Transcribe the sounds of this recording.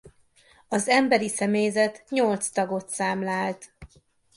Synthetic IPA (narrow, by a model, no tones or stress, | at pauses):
ɒzɛmbɛɾisɛmejzɛt̪ɲo̞lt̪st̪ɒɡo̞t̪saːmlaːlt̪